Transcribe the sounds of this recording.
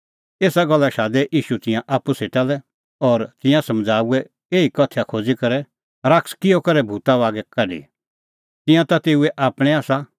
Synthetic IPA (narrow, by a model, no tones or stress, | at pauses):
eːsaɡɐlːaʃaːd̪ɛʔiːʃut̪ɪ̃jãʔaːpːuseːt̪alɛ | ɔːɾt̪ɪ̃jãsɐ̃md͡zʱaːuɛ | eːikɐt̪ʰjakʰoːd͡zikɐɾɛ | ɾakskɪjɔkɐɾɛbʱuːt̪aʋaːɡɛkɐɖḭ | t̪ɪ̃jãt̪at̪eːuɛʔaːpɽ̃ɛaːsa